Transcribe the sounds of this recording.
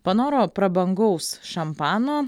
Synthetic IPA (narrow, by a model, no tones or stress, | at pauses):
pɐnoːɾoːpɾɐbɐŋɡɐʊsʃɐmpɑːnoː